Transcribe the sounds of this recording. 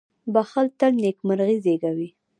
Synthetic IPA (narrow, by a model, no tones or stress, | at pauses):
baxəlt̪əlnekmaɾɣizeɡawi